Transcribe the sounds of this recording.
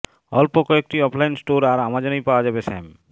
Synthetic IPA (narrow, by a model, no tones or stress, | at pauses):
ɔlpokɔek̚ʈiɔpʰlajnsʈoɾaɾamad͡ʑonojpaoad͡ʑabesɛ̰m